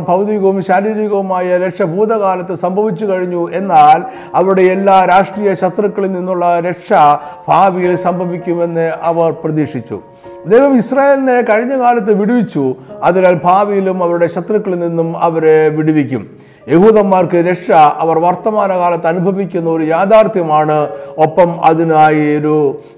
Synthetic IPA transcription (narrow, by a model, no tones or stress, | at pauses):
bʱɐʋðiɣɐʋumɕaːɾiːɾiɣɐʋumaːjɐɾekʂɐbʱuːd̪ɐɣaːlɐt̪ːesɐmbʱɐʋit͡ɕːukɐɻiɲːue̞nːaːl | ɐʋiɾuɽe̞elːaːɾaːʂʈriːjɐɕɐt̪rɐkːɐɭilninːuɭːɐɾe̞ʂɐb̥ʱaːʋijilsɐmbʱɐʋikʲːume̞nːɨɐʋɐrprɐðiːʂit͡ɕːṵ | d̪eːɦɐmisraːje̞ːline̞kɐɻiɲːɐkaːlɐt̪ːeʋiɽiʋit͡ɕːuɐðinaːlbʱaːʋijilumɐʋɐɾuɽe̞ɕɐt̪rɐkːɐɭilninːumɐʋɐɾe̞ʋiɽiʋikʲːṵm | je̞huːðɐmːaːrkɨɾekʂɐɐʋɐrʋɐrt̪ɐmaːnɐkaːlɐt̪ːeɐnubʱɐʋikʲːunːɐoɾujaːd̪ʱaːrt̪jɐmaːɳɨo̞pːɐmɐ̰ðinaːjioɾu